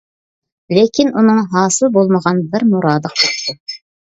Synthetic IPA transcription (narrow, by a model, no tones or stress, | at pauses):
lekʲinunɨŋɦɑːsɨlˠbolˠməʁɑnbɪɾmuɾɑːd̪əqo